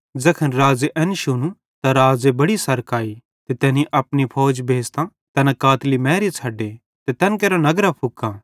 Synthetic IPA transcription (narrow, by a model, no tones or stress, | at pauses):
d͡zɐkʰənɾaːd͡zeʔɛnʃʊnũ | t̪aɾaːd͡zebɐɽisɐɾkaːi | t̪et̪ɛːniʔɐpnipʰɔːd͡ʒbʱeːst̪ã | t̪ɐnãkaːt̪limɛ̃ːɾit͡sʰɐɖːe | t̪et̪ɐnkeːɾanɐɡɾapʰʊkːãː